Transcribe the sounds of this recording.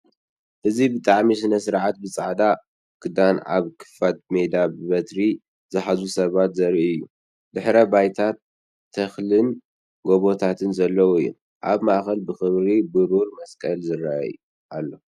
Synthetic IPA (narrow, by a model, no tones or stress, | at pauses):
ʔɨzibɨt̪ʼaʕmis̬ɨnɐsɨɾʕat̪bɨt͡sʼaʕd̪a | kʰɨd̪anʕa̰βkʰɨ̥fat̪̚med̪abɨβɐt̪ɾi | zɨħazusɐβat̪zɐɾiiɨjːu | d̪ɨħɾɐbajt̪ʰat̪ʰː | ɐxlɨn | ɡo̞βo̞t̪ʰat̪ʰɨnzɐlːɐwɨjːṵ | ʔaβmaʔxɐlbɨxɨmɾibɨɾuɾmɐskʼɐlzɨrːaa̰j | ʔalːo̞